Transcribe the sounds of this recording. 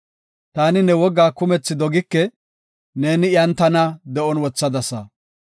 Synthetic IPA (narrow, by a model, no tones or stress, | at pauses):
t̪aːnɪnɛwɔɡːaːkʊmɛt͡sːɪd̪ɔɡɪkːɛ | ne̞ːnɪjɐnt̪ːɐnɐd̪ɛʔɔnwɔt͡sːɐd̪ɐsɐ̰